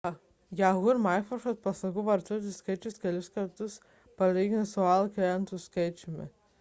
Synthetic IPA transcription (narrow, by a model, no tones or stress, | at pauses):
jaɦʊɾmajfɔʃɐt̪̚pɐslˠɐɡuʋɐɾt̪uɔt̪̬ʲɪskɐɪt͡ʃʲʊskʲɛlʲʊskɐɾt̪ʊs | pɐlʲiːɡʲɪnesʊalˠkʲeɛnt̪ʊskɐɪt͡ʃʲɪmʲɪ̰